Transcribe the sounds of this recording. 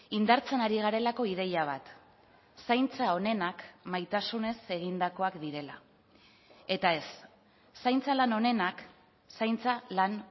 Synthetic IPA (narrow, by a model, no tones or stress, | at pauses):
ind̪aɾt͡senaɾiɣ̞aɾe̞lako̞ið̞e̞jaβ̞at̪ | sajnt͡sao̞ne̞nakmajt̪asune̞se̞ɣ̞ind̪ako̞akd̪iɾe̞la | e̞t̪ae̞sː | ajnt͡salano̞ne̞nak | sajnt͡salan